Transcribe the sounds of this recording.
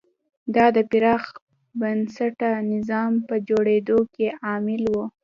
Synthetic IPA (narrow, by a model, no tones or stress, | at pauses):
d̪ɑd̪əpɪɾɑx | bənsaʈanɪzɑmpəd͡ʒoɽed̪okeʔɑmɪlwu